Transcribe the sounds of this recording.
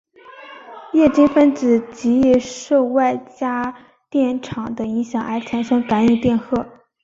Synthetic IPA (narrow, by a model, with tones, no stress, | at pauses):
jɛ˥˩t͡ɕi˥ŋfə˥nt͡sɹ̩˨˩t͡ɕi˧˥i˨˩ʂo˥˧ʊwa˥˩ɪt͡ɕja˥ | t̪jɛ˥˩nʈ͡ʂʰɑ˨˩ŋd̪ə˦i˧˥ŋɕjɑ˨˩ŋʔa˧˥ɪt͡sʰa˨˧˩nʂɤ˥ŋka˧˥ny˧˩t̪jɛ˥˧nxɤ˥˩